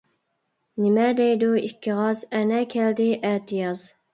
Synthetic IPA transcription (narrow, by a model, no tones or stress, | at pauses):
nɪmɛd̪ɛjd̪uikʲʰːiʁɑzɛnɛkʲʰɛld̪ɪʔɛt̪ʰijɑz